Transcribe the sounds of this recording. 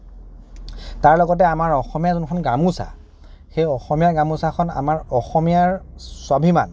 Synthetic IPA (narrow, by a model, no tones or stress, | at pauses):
taɹlɔɡɔt̬ɛamaɹɔxɔmijazunkʰɔnɡamusa̰ | xejɔxɔmijaɹɡamusakʰɔna̰maɹɔxɔmijaɹsɔbʱima̰n